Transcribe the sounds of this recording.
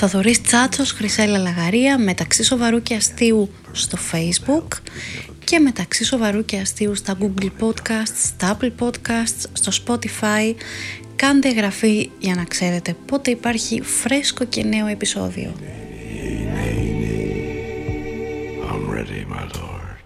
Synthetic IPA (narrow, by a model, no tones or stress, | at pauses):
θɐðo̞ɾist͡sɐt͡sosxɾise̞lɐlɐɣɐɾiɐme̞t̪ɐksiso̞vɐɾuceɐst̪iu | st̪o̞fejzbuk | ce̞me̞t̪ɐksiso̞vɐɾuce̞ɐst̪iust̪ɐɡuɡlpo̞t̪kɐst̪st̪ɐɐpl̩po̞d̪kɐst̪sst̪o̞spo̞t̪ifɐi | kɐnd̪eɣɾɐfiʝɐnɐkse̞ɾe̞t̪e̞po̞t̪e̞ipɐɾçifɾe̞sko̞ce̞ne̞o̞e̞piso̞̰ðḭo̞̰ | nene | ãɪmɹɛ̰ɾḭmaɪlɔd̥